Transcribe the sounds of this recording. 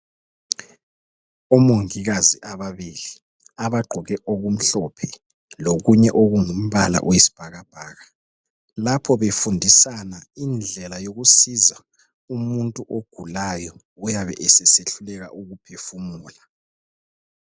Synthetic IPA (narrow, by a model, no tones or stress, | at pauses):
ɔmoŋiɣaziʔaβaβiːli | aβaɡ͡ǃʱɔɣɛʔoɣum̩ɬɔpʰɛ | loɣuɲɛʔoɣuŋum̩βala̰ʔwesi̥b̥ʱaɣab̥ʱaːɣa | lapʰɔβefundʱisanaind͡ɮʱɛlajoɣusiza | umuntʼuʔoɡ̥ʱulajɔ | ujaβɛ̰ʔɛsɛseɬulɛɣa̰ʔuɣupʰefumuːla